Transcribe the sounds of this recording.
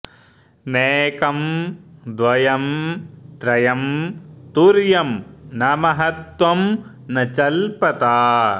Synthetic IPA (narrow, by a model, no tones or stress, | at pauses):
neːkɐmd̪ʋɐjɐmt̪ɾɐjɐmt̪uɾjɐmnɐmɐɦɐt̪ʋɐm | nɐt͡ʃɐlpɐt̪aː